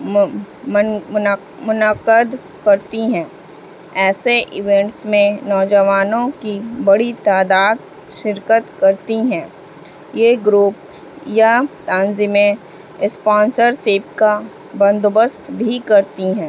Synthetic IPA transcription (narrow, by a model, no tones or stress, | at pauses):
mʊnəqəd̪ | kɐɾt̪iɦɛ̃ː | ɛːseʔɪʋẽɳʈsmẽnɔːd͡ʒəʋaːnõkibɐɽit̪aːd̪aːd̪ | ʃɪɾkət̪kɐɾt̪iɦɛ̃ː | jeːɡɾuːp̚ | jat̪ãːnzimẽ | spãːnsəɾseːp̚ka | bɐ̃nd̪ʊbəst̪bʱikɐɾt̪iɦɛ̃ː